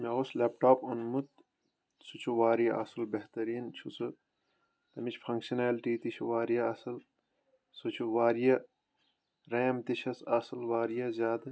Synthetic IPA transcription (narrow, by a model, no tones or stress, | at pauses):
meosleːp̚ʈaːpunmut̪ | sut͡ʃʰuʋaːɾijɐʔɐ̰sɨlbɐɦt̪ɐɾiːnt͡ʃʰut͡sɨ | t̪ɐmit͡ʃʰfʰɐ̃ŋkʃineːlʈiːt̪it͡ʃʰʋaːɾijɐɐsɨl | sut͡ʃʰuʋaːɾijɐ | ɾeːmt̪iʃʰɐsɐsɨlʋaːɾijɐzʲaːd̪ɨ